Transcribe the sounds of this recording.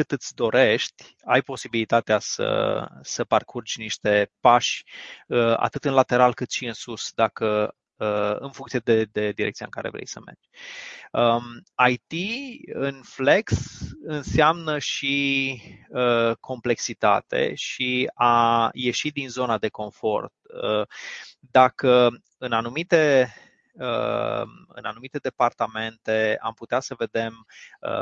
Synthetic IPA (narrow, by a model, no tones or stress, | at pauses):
kɨt̪ɨt̪sʲd̪o̞ɾe̞ʃt̪ʲ | ajpo̞sibilit̪at̪easə̰səparkʰurt͡ʃʲniʃt̪e̞paʃəa̰t̪ɨt̪ɨnlat̪e̞ɾalkɨt̪ʃiɨnsusd̪akə | ɨnfuŋt̪sijed̪ed̪e̞d̪iɾekt̪sia̰ɨŋkaɾe̞̰vɾḛjsəme̞̰rd͡ʒʲ | əajt̪iɨnfle̞ksɨnseamnəʃi | əkʰo̞mple̞ksit̪a̰t̪e̞̰ʃiaje̞ʃit̪̚d̪inzo̞nad̪e̞ko̞ɱfo̞̰rt̪ə | d̪akə | ɨnanumit̪e̞ | ə | ɨ̰nanumit̪e̞d̪e̞part̪ame̞nt̪e̞a̰mput̪easəve̞d̪e̞mə̰